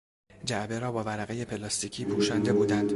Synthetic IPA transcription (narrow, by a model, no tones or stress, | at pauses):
d͡ʒæʔbe̞ɾɒːbɒːvæɾæɣeje̞pʰelɒːst̪icʰiːpʰuːʃænd̪e̞buːd̪ænd̪